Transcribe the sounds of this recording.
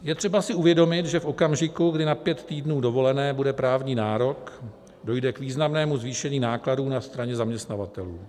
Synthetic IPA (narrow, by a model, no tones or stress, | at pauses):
jɛt̪r̥ɛbasɪuvjɛdo̞mɪt̪ʒɛfʔo̞kamʒɪkuɡdɪnapjɛt̪t̪iːdnuːdo̞vo̞lɛnɛːbudɛpɾaːvɲiːnaːɾo̞k | do̞jdɛkviːznamnɛːmuzviːʃɛɲiːnaːkladuːnast̪ɾaɲɛzamɲɛst̪navat̪ɛluː